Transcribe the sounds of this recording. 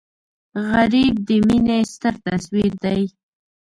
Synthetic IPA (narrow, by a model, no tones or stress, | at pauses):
ɣaɾib̚d̪əminest̪əɾt̪aswiɾd̪aj